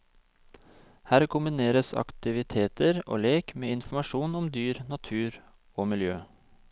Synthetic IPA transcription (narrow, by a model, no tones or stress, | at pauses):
hæːɾkʊmbɪneːɾəsɑ̰kt̪ɪʋɪt̪ʰeːt̪əɾo̰ːleːkmeːɪnf̩mɑʃuːnʊmd̪yːɾnɑt̪ʰʉːɾ | oːmɪljøː